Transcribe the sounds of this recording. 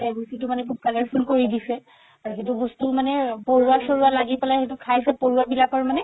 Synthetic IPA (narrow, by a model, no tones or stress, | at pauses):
ɛɡusitumanɛkʰub̚kalaɹpʰunkoɹidisɛ | aɹuɦetubɔstumanɛpoɹuasoɹualaɡipɛlaɦetukʰajsɛpoɹuabilakɔɹmanɛ